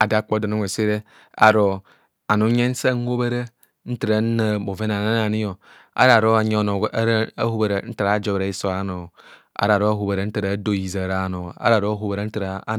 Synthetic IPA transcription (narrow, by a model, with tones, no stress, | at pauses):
a˨da˦k͡po˦do˨no˦wʷe˨se˦ɾe˦ | a̰˦ɾo˨ | a˨nu˨˦ɲe˦n̩˦sa˦ŋʷo˦ba˦ɾa˦ | n̩˦te˨ɾa˨n̩˦na˨bo˨ve˦na˨na˦na˨ni˦jo˨ | a̰˦ɾa˨ɾo˦a˨ɲo˦no˨ʔɾa˦ho˦ba˨ɾa˨n̩˦ta˨ɾa˨˦d͡ʒo˦βe˨ɾe˨i˦so˦a˦no˨ | a̰˦ɾa˨ɾo˦a˦ɦu˨ba˨ɾa˨˦n̩˦a˨ɾa˨˦do˦˨ji˨za˨ɾa˦˨no˨a̰˦ɾa˨ɾo˦a˦ɦu˦ba˨ɾa˦n̩˦tɾa˨˦